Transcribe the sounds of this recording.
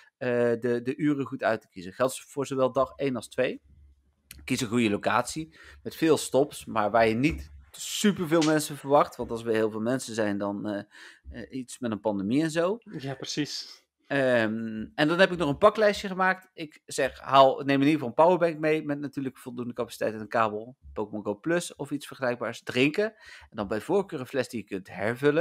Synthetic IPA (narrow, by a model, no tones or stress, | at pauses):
ədədəʔyːrəχutœɥtə̥kizəχɛlˠtv̥ʊːɹzowʋɛlˠdɑχejnɑlˠstʋej | kizəχujəlowka̰ːtsimɛtfɪːlˠstɔpsmaːɹʋaːɹjənitsypəɹvɪːlˠmɛnsənvəɹʋɑχtʋɑntɑlˠsʋəɦɪːlˠvɪːlˠmɛnsənzɛjndɑn | itsmɛtənpɑndəmiɛnzowjapsis | ɛndɑnɦɛpɪknɔχənpɑklɛjsjəχəmaːk̚tɪkz̥ɛχɦaːlˠnejmɪniːəvɑlˠpawəɹbɛŋk̚mejmɛtnatyːɹləkəv̥ɔlˠdundəkɑpḁsi̥tɛ̰jtənənkaːbəl̩ˠpowkmɔɡoplɵsɔfitsfəɹχəlɛjɡ̚baːɹsdrɪŋkəɛndɑnbɛjvoːɹkøːrəflɛsdijəkɵntɦɛɹvɵlə